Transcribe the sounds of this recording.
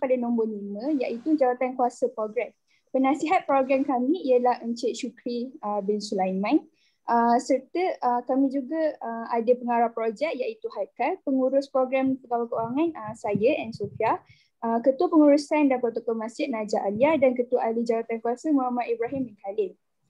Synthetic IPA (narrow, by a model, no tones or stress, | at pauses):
padanɔ̃mbɔnimə̃jaʔit̪ud͡ʒawat̪ankuasəpɾoɡɾɛm | pənãsiɦat̪̚pɾoɡɾamkamĩːəlahəɲt͡ʃɪʔ̪̚ʃukɾiəbɪnsulajmãn | ʔəsərt̪əʔəkamĩd͡ʒuɡaəadəpəŋaɾahpɾod͡ʒɛk̚jaʔit̪uhakalpəŋuɾʊspɾoɡɾampəkawakəuɾaŋãnəsajəʔɛnsofia | ʔəkət̪uapəŋuɾusandankot̪okɔmãsɪt̪̚nãd͡ʒaʔaliadankət̪uaʔalid͡ʒawat̪ankuasəmuɦamaʔ̪ibɾaɦimŋkʰalɪn